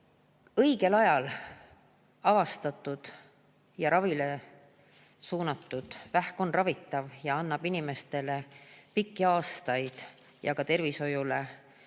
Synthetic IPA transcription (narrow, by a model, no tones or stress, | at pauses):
ɤjɡ̥e̞lɑjɑl | ɑvɑst̪ɑt̪ːˑud̪̥ | jɑɾɑvile | suːnɑt̪ːˑud̪̥væhko̞nrɑvit̪ːˑɑvjɑɑnːɑb̥inʲime̞st̪e̞le̞pikːiɑːst̪ɑjd̪̥ | jɑ̰kɑt̪e̞rviso̞jule